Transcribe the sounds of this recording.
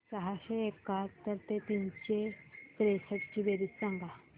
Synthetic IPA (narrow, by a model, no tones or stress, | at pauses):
səɦaɕeːkat̪əɾt̪et̪int͡ɕet̪ɾesəʈt͡ɕibeɾiːt͡ssãŋɡa